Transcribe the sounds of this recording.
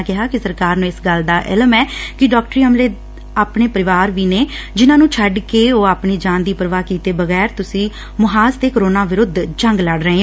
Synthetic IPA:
kɪɦaːkɪsəɾkaːɾnũːɪsɡəld̪aːʔɪ̰lmɛːkɪɖɔːkʈɾiːəmleː | aːpɳeːpəɾɪʋaːɾʋiːneː | d͡ʒɪnãːnũːt͡ʃʰəɖkeːoːaːpɳiːd͡ʒãːnd̪iːpəɾəʋaːkiːt̪eːbəɣɛːɾt̪ʊsĩː | mʊɦaːst̪eːkəɾoːnaːʋɪɾʊd̪t͡ʃəŋɡləɽɾəɦẽː

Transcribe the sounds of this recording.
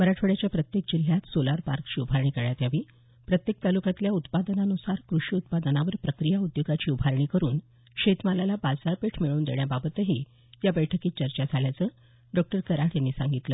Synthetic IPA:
məɾaʈʰʋəɽjat͡ɕjapɾət̪jek̚d͡ʑil̤jat̪solaɾpaɾkt͡ɕiːubʱaɾɳ̃iːkəɭjat̪jaʋiː | pɾət̪jek̚t̪alukat̪ljaut̪pad̪ənaənusaɾkɾuʂiːut̪̚pad̪ənaʋəɾpɾəkɾijaud̪joɡat͡ɕiːubʱaɾɳiːkəɾuːn | ɕet̪malalabad͡zaɾpeʈʰmiɭuːnd̪eɳ̃jababət̪əɦiː | jabəjʈʰəkiːt̪̚t͡ɕəɾt͡ɕad͡zʱaljat͡səː | ɖɔk̚ʈəɾkəɾaʈjanːiːsãŋɡit̪ləː

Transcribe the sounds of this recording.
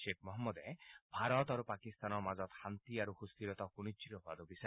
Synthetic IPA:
ʃek̚ʰmɔɦɔmːɔd̪ebʱaɾɔt̪aɾupakist̪anɔɾmad͡ʒɔt̪hant̪iaɾuxust̪iɾɔt̪ɔkuñit͡ʃːiɾɔɦad̪ubisɔ

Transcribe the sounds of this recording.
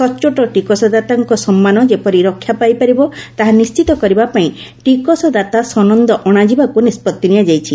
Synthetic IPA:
sɔt͡ʃoʈɔʈikɔsɔd̪at̪aŋkɔsɔmːanɔd͡ʒepɔɾiɾɔkʰːjapajpaɾibɔt̪aɦanist͡ʃit̪ɔkɔɾibapaĩ | ʈikɔsɔd̪at̪asɔnɔnd̪ɔʔɔɽ̃ad͡ʒibakunispɔt̪ːinijad͡ʒajt͡ʃʰi

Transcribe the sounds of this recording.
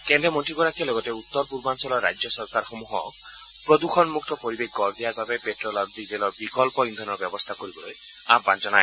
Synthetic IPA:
kendɾemɔnʈɾikɔɾakʰialoɡɔteut̪ːɔɾpuɾbansɔlɔɾa̰jd͡ʒjɔsɔɾkaɾxomuɦɔ | pɾɔd̪ukʰɔnmuk̚ʰt̪ɔpɔɾibekɡɔɾd̪iaɾbabepeʈɾɔlaɾud̪id͡ʒelɔɾbikɔlpɔind̪ʱɔnɔɾbjɔbɔst̪ʰakoɾibɔloj | aband͡ʒɔnae

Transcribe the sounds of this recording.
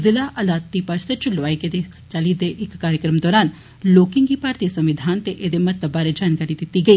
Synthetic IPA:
zɪlaːʔɐlaːt̪ːipəɾsət͡ʃʊlʋaːiked̪e | t͡ʃəlid̪eːʔɪkːaːɾjəkɾəmd̪ɔːɾaːn | loːkɪŋɡiːpaːɾt̪iːsəmʋɪd̪ʱaːnt̪eʔeːd̪eːmɐt̪əbːaːɾed͡ʒaːnkaːɾid̪ɪt̪ːiːɡɐiː

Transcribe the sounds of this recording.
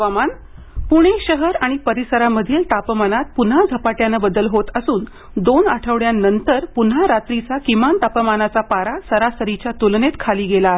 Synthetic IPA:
ʋaman | puɽ̃eɕəɦəɾaɽ̃ipəɾisəɾaməd̪ʱilt̪apəmanat̪̚pun̤ad͡zʱəpaʈjanəbəd̪əlɦot̪əsuːn | d̪onaʈʰəʋɭjanːənt̪əɾpun̤ɦaɾat̪ɾit͡sakimant̪apəmanat͡sapaɾasəɾasəɾit͡ɕjat̪ulnet̪kʰaliːɡela

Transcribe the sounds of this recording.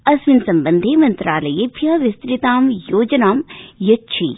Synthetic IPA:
ɐsʋɪnsɐmbənd̪ʱemɐnt̪ɾaːlɐjepʰjɐʋɪst̪ɾɪt̪aːmjoːd͡ʒɐnaːmjɐtːt͡ʃʰḭ

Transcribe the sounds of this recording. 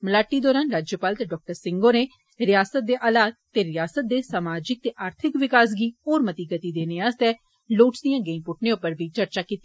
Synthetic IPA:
məlaːʈːiːd̪ɔːɾaːnɾaːd͡ʒjəpaːlt̪eːɖɔːk̚ʈəɾsɪŋɡoːneː | ɾɪjaːsət̪̚d̪eːʔaːlaːt̪ːeːɾɪjaːsət̪̚d̪eːsaːmaːd͡ʒɪk̚t̪eːʔaːɾt̪ʰɪkʋɪkaːs̬ɡiːoːɾmət̪iːɡət̪iːd̪eːneːaːst̪ɛː | loːʈsd̪ijãːɡeĩpʊʈ̚ʰneːʊpːəɾbʱiːt͡ʃəɾt͡ʃaːkiːt̪ːi

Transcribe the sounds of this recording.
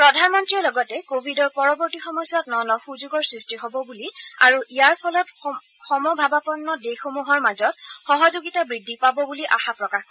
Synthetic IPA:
pɹɔdʱanmɔntɹiɔlɔɡɔtɛkobʱidɔɹpɔɹɔbɔɹtixɔmɔjswatnɔnɔxuzuɡɔɹsɹistiɦɔbɔbulia̰ɹuijaɹpʰɔlɔt | xɔmɔbʱabapɔnːɔdexomuɦɔɹmazɔtxɔɦɔzoɡitabɹidʱːipabɔbuliʔa̰xapɹɔkax

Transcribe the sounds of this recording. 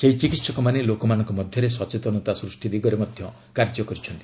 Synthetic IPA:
seit͡ʃikit̪sɔkɔmanelokɔmanɔŋkɔmɔd̪ʱjɔɾesɔt͡ʃet̪ɔnɔt̪asɾusʈid̪iɡɔɾemɔd̪ʱjɔ | kaɾd͡ʒɔkɔɾit͡ʃʰɔnt̪i̥

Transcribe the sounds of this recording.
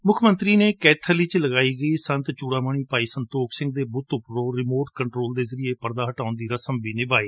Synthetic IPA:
mʊkʰmə̃nt̪ɾiːneːkɛːt̪ʰəliːt͡ʃləɡaːiːɡəiːsə̃nt̪t͡ʃuːɽaːməɳ̃iːpaːiːsənt̪oːkʰsɪ̃ŋɡ̚d̪eːbʊt̪ʊpɾoːɾɪmoːʈkəɳʈɾoːld̪eːzəɾɪeːpəɾd̪aːɦəʈaːʊnd̪iːɾəsəmbiːnɪbaːiː

